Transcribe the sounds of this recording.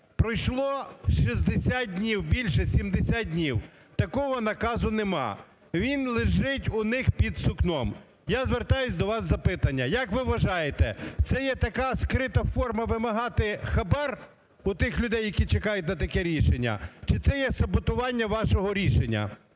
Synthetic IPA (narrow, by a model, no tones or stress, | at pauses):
pɾɔjʃlˠɔʃizd̪esʲat̪̚d̪ʲnʲiwbʲilʲʃɛsʲimd̪esʲad̪̚ʲdʲnʲiw | t̪ɐkɔɦɔnɐkɑzʊnemɑ̰ | ʋʲinlˠɪʒɪtʲʊnɪxpʲid̪sʊknɔm | jazʋert̪ɑjʊsʲd̪ɔʋɑsːɐpɪt̪ɐnʲːɐjɐkʋɪʋɐʒɑjet̪ɛt̪sɛjɛt̪ɐkɑskɾɪt̪ɐfɔrmɐʋɪmɐɦɑt̪ɪxɐbɛr | ʊt̪ɪxlʲʊd̪ɛjːɐkʲit͡ʃekɑjʊtʲnɐt̪ɐkɛɾʲiʃenʲːɐ̰t͡ʃɪt̪sɛjɛsɐbɔt̪ʊʋɑnʲːɐʋɑʃɔɦɔɾʲiʃenʲːɐ̰